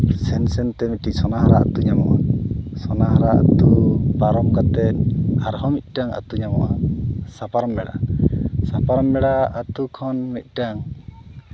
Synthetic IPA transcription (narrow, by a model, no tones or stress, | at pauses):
sɛnsɛnt̪ɛmiʈiʔ̚sɔnaɦaɾaʔa̰t̪uɲamɔ̰ʔa̰sɔnaɦaɾaa̰t̪upaɾɔmkat̪ɛt̪̚aɾɦɔmit̪̚ˀʈaŋa̰t̪uɲamɔ̰ʔa̰sapaɾɔmbɛɽa̰sapaɾɔmbɛɽaat̪ukʰɔnmit̪̚ˀʈaŋ